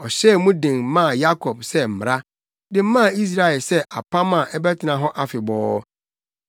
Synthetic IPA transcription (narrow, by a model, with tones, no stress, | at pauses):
ɔ˨ɕɛ˦˨˦mũ˦dɪ̃˨ŋ˦mã˦˨ja˦kʰɔ˨b̚sɛ˦m̩˨m˨ɾa˦ | dɪ̃˨m̩˦mã˦˨i˦s̬ɾa˦˨ɛ˨lsɛ˦ʔa˨pʰã˦mã˨ʔɛ˦bɛ˦tʰɪ˨nã˨ɦɔ˦ʔa˦fɪ˨bɔː˨˦